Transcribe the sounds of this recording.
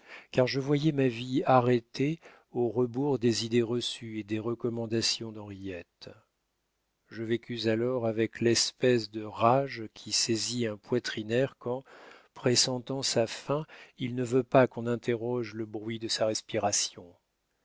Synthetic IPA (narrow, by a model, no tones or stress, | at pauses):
kaʁʒəvwajɛmaviaʁet̪e | oʁəbuʁd̪ezid̪eʁəsyed̪eʁəkɔmɑ̃d̪asjɔ̃d̪ɑ̃ʁijɛt̪ | ʒəvekʲyzalɔʁavɛklɛspɛs̬d̪əʁaʒkʲʰisɛziɛ̃pwat̪χinɛʁkɑ̃pχesɑ̃t̪ɑ̃safɛ̃ilnəvøpakɔ̃nɛ̃t̪ʰeʁɔʒləbʁɥid̪əsaʁɛspiʁasjɔ̃